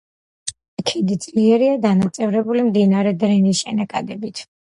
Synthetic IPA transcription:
kʰɛd̪id̪z̥ʼliɛɾiad̪anat̪sʼɛvɾɛbulimd̪inaɾɛd̪ɾɛnisʃɛnakʼad̪ɛbit̪ʰ

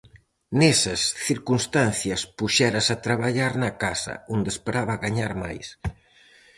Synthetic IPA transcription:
nɛsɐsθiɾkunst̪anθjɐspuʃɛɾɐsat̪ɾaβaʎaɾnɐkasɐ̰ond̪espeɾaβɐɣaɲaɾmajs

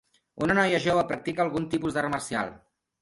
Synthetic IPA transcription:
ṵnənɔjəʒoβəpɾək̚t̪ikəːlˠɣunt̪ipuzðərəməɾsia̰lˠ

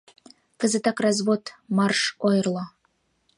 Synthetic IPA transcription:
kə̆zɘ̆t̪ɑkrɑzβot̪mɑrʃojɤrlˠɑ

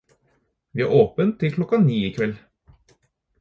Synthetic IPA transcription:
ʋiːæ̰ːʔoːpənt̪ʰːɪlkʰlɔkːɑniːiːkʰʋɛl

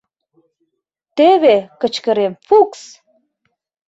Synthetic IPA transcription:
t̪eβekə̆t͡ɕkə̆ɾemfuks

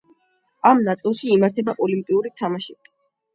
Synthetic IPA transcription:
amnat̪sʼilˠʃiːmaɾt̪ʰɛbaʔɔlimpʼiuɾit̪ʰamaʃɛbi

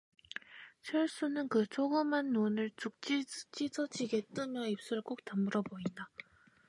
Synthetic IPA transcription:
t͡ɕʰʌɭs͈unɯnkɯt͡ɕʰoɡɯmɦanːonɯɭt͡ɕuk̚t͡ɕ͈it͡ɕ͈id͡ʑʰʌd͡ʑiɡe̞t͈ɯmjʌip̚s͈uɾɯɭk͈ok̚t͈amuɾʌboinda

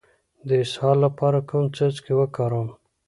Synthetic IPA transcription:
d̪əɪshɑlːapɑɾakumt͡səzkewəkɑɾəm

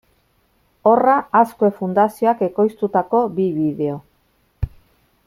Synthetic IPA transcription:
o̞raːskoe̞fund̪asio̞ake̞ko̞jst̪ut̪ako̞biβiðe̞o̞

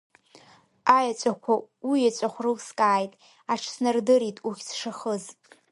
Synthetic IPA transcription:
ajat͡ʃʷʼakʷʰaijat͡ʃʷʼaχʷrɨwskʼaːjtʼ | aʈ͡ʂʰsnɨrdɨɾitʼuχʲsʂaχəz

